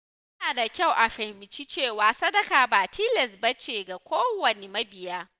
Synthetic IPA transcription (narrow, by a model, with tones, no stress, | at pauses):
ɐ˦aː˨da˨kʲa˦˨wʔa˨ɸɛ˨mɪ˨t͡ʃi˦t͡ʃeː˦˨waː˨sɐ˦dɐ˨kaː˨baː˨tʰiː˦lɛ˨sbɐ˦t͡ʃeː˨ɡa˨kʷoː˦wɐ˨ne˨mɐ˦bɪ˨jaː˦